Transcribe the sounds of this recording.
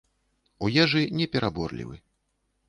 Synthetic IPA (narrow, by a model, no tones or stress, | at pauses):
ujɛʐɨnʲɛpʲɛɾʔabɔrlʲḭvɨ̰